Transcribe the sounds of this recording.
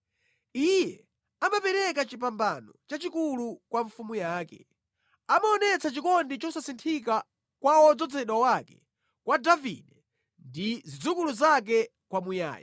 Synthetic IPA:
ijɛ | amapɛɾɛkat͡ʃipambanɔt͡ʃat͡ʃikulukwaɱfumujaːkɛ̰ | amaɔnɛt͡sat͡ʃikɔndit͡ʃɔsasintʰik̬a | kwaɔd͡zɔd͡zɛɗwawakɛ̥ | kwadavḭɗɛ | ndizid͡zukuluzak̬ɛ | kwamuja̰ːja̰

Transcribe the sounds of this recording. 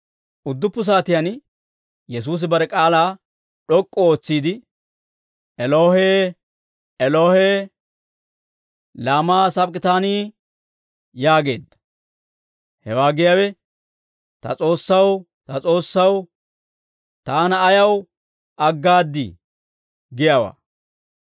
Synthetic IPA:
ʔʊd̪ːʊpːʊs̬aːt̪ɪjɐn | jɛs̬uːs̬ɪbɐɾɛkʼaːlaː | ɗɔkʼːɔoːt͡sːiːd̪ɪ | ʔɛloːhe | ɛloːhɛ | laːmaːsɐpkɪt̪aːniː | jaːɡe̞ːd̪ːɐ̥ | hɛwaːɡɪjaːwɛ | t̪ɐ̰t͡sʼo̞ːsːɐw | t̪ɐt͡sʼo̞ːsːɐw | t̪aːnɐːjɐw | ɐɡːaːd̪ːɪ̰ | ɡɪjaːwa̰ː

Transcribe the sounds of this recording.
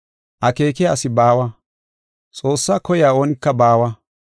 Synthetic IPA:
ʔɐke̞ːkɪjaːsɪbaːwɐ | t͡sʼo̞ːsːaːkɔjɪaːo̞ːnɪkːɐbaːwɐ

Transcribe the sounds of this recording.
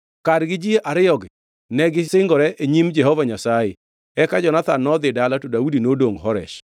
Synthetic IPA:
kadɡɪd͡ʒieʔaɾɪɔɡ | nɛɡɪsɪŋɡɔɾɛʔeɲimd͡ʒɛɦɔvaɲasajɪ̰ | ɛkad͡ʒɔnat̪anːɔd̪ɪdalatodaudinodoŋɦɔɾɛ̰ʃ

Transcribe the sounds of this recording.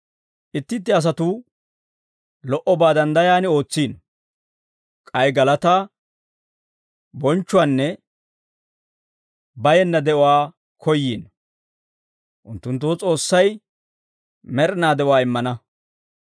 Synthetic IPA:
ʔɪt̪ːɪt̪̬ːɪɐs̬ɐt̪ʊ | lɔʔɔbaːd̪ɐnd̪ɐjaːnɪo̞ːt͡sːiːn | kʼɐjɡɐlɐt̪aː | bɔnt͡ʃːʊwaːnːɛ | bɐjɛnːɐd̪ɛʔɔwaː | kʰɔjːḭːn | ʔʊnt̪ːʊnt̪ːʊt͡sʼo̞ːsːɐj | mɛɾɪnaːd̪ɛʔʊwaːɪmːɐnɐ

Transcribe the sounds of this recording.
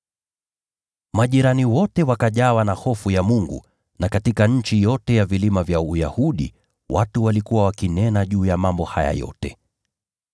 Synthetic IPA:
maʄiɾaniwɔtɛwakaʄawanahɔfujamuŋɡṵ | nakatikaɲ̩t͡ʃijɔtɛjavilimavjaujahuɗḭ | watuwalikuwawakinɛnaʄuːjamambɔhaja̰jɔ̰tɛ

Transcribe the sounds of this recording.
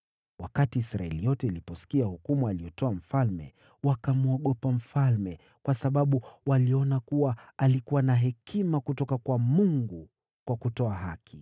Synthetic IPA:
wakatiːsɾaɛlijɔtɛilipɔsi̥kiahukumualijɔtɔam̩falmɛ̰ | wakamuɔɠɔpam̩falmɛ | kwasaɓaɓuwaliɔnakuwaːlikuwanaɦɛkʰimakutɔkakwamuŋɡu | kwakutɔaɦakʰi

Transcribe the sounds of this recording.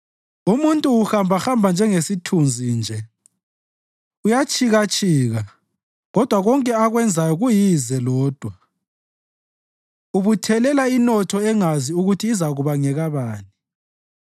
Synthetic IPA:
umuntʼuːxambʱaxambʱand͡ʒʱɛŋesitʰund͡zʱiːnd͡ʒʱɛ | ujat͡ʃʼiɣat͡ʃʼiːɣa | ɣɔd̥ʱwaɣɔŋkʼɛaɣwɛnd͡zʱajɔɣujizɛlɔːd̥ʱwa | uβutʰɛlɛlainɔtʰɔɛŋaziuɣutʰiːzaɣuβaŋɛɣaβaːni

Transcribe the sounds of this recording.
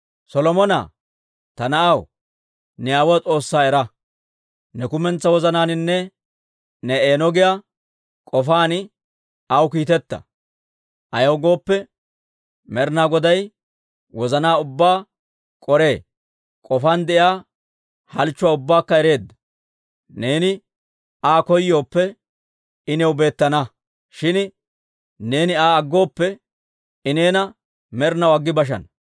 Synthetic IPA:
sɔlɔmɔna̰ | t̪ɐnɐɐw | nɛjaːwɐt͡sʼo̞ːsːaːɛɾɐ | nɛkʊmɛnt͡sːɐwɔzɐnaːnɪnːɛ | nɛeːnɔɡɪja | kʼɔfaːnɪ | ɐwkiːt̪ɛt̪ːɐ̰ | ʔɐjɐwɡo̞ːpːɛ | mɛɾnaːɡɔd̪ɐj | wɔzɐnaːʊbːaː | kʼɔɾe̞ː | kʼɔfɐnd̪ɛʔjaː | hɐlt͡ʃːʊwaːʊbːaːkːɐɛɾe̞ːd̪ːɐ̥ | ne̞ːnɪ | ʔaːkɔjːo̞ːpːɛ | ɪnɛwbe̞ːt̪ːɐnɐ | ʃɪn | ne̞ːnɪaːɐɡːo̞ːpːɛ | ɪneːnɐ | mɛɾnɐwɐɡːɪbɐʃ̬ɐ̰n

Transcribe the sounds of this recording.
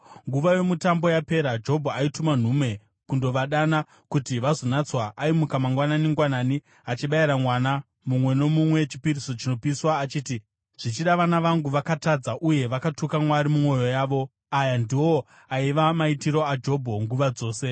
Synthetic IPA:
ŋɡuʋajo̞mutambo̞jape̞ɾad͡ʒo̞bʱoaituman̤ume̞ | kundo̞ʋaɗana | kutiʋazo̞nat͡swaʔːimukamaŋɡwananiŋɡwanaːni | at͡ʃiɓaiɾamwana | mumwe̞no̞mumwe̞t͡ʃi̥piɾiso̞t͡ʃino̞piswaːt͡ʃiːti | ʐ̥it͡ʃiɗaʋanaʋaŋɡuʋakatad͡zaʔuje̞ʋakatukamwaɾimumo̞jo̞jaːʋo̞ | ajandiwo̞ | aiʋamaitiɾo̞ad͡ʒo̞bʱo̞ŋɡuʋad͡zo̞ːse̞

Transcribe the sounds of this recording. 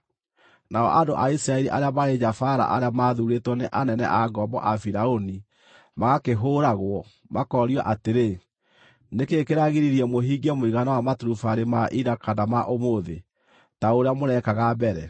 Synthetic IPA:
naɔ̰ʔadoʔaisiɾaɛɾiʔaɾeamaɾed͡ʒafaɾa̰ʔa̰ɾeamaːðuɾetwɔneʔanɛnɛ̰ʔaɡɔbɔ̰ʔafiɾaoni | maɣakeɦoɾaɣwɔ | makɔɾiɔʔateɾe | nekekeɾaɣiɾiɾiɛmoɦiːɡɛmoiɣanawamatuɾufaɾemaʔiɾakanamaʔomoðe | taoɾeamonɛkaɣabɛɾɛ

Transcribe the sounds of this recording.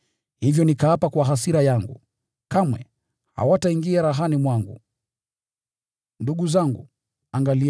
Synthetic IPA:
hivjɔnikaapakwaɦasiɾajaŋɡṵ | kamwɛ̰ | ha̰wataiŋɡiaɾaɦanimwaŋɡṵ | nduɠuzaŋɡṵ | aŋɡali

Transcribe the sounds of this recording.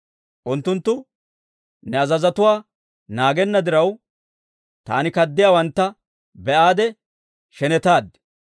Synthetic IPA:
ʔʊnt̪ːʊnt̪ːʊ | nɛɐzɐzɐt̪ʊwaː | naːɡɛnːɐd̪ɪɾɐw | t̪a̰ːnɪkɐd̪ːɪjaːwɐnt̪ːɐ | bɛʔaːd̪ɛ | ʃɛnɛt̪aːd̪ɛ̥

